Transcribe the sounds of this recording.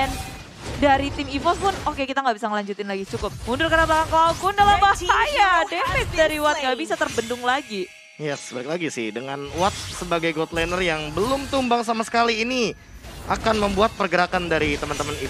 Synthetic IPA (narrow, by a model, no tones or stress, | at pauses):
ɛn | daɾit̪ɪmifɔspʊnokekit̪aŋɡabisaŋəlaɲd͡ʒut̪ɪnlaɡit͡ʃukʊp̚mundʊrkəɾablakankəlaukundəlabaajadefɪt̪̚daɾiwat̪̚ɡaʔbisat̪ərbəndʊŋlaɡi | jɛsbaɾɪk̚laɡisɪhdəŋanwat̪̚səbaɡajɡɔt̪lanərjaŋbəlʊmt̪umbaŋsamasə̥kaliːni | akanməmbuat̪̚pərɡəɾakandaɾit̪əmant̪əməni